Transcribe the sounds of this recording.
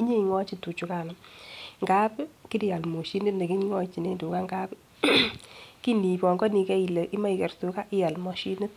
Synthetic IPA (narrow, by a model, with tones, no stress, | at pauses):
i˦ɲe˦i˨ŋɔ˦t͡ʃi˦tu˨t͡ʃu˨ka˦˨na˨ŋɡa˦pki˦ɾi˦ja˨lmo˨ʃi˦nɪ˦tne˨ki˦ŋɔ˦t͡ʃi˨ne˦ndu˨ka˦ŋɡa˦p | ki˦ni˨pɔ˨ŋɡɔ˦ni˨kɛ˦i˨lə˨ʔi˦ma˦i˨kɛ˨rsu˨ka˦ʔɪ˦ja˨lmɔ˨ʃi˦nɪ˦t̚